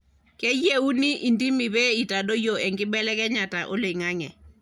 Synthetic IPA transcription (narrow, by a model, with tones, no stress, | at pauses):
kɛ˦je˦u˦ni˦ʔi˨ndi˦mi˨bɛ˦i˨ta˨do˦jo˨ɛ˨ŋɡɪ˦bɛ˦lɛ˦kɛ˦ɲa˨ta˨ʔo̰˦le˨ŋa˦ŋɛ˨